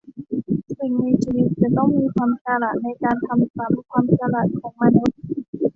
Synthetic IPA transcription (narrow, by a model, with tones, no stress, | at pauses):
si˨˩ŋna˧jt͡ɕʰiː˧wi˦˥t̪̚t͡ɕa˨˩t̪ɔ˥˩ŋmiː˧kʰwaː˧msaː˧laː˨˩t̪̚na˧jkaː˧nt̪ʰa˧msa˩˦mkʰwaː˧msaː˧laː˨˩t̪̚kʰɔː˩˦ŋmaː˧nu˦˥t̪̚